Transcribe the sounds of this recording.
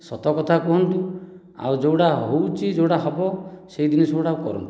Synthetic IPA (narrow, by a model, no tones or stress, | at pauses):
sɔt̪ɔkɔt̪ʰakɔɦɔnt̪u | a̰wd͡ʒowɽaɦowt͡ʃʰid͡ʒowɽaɦɔbɔseid̪inisɔwɽaukɔ̰ɾɔ̰nt̪u̥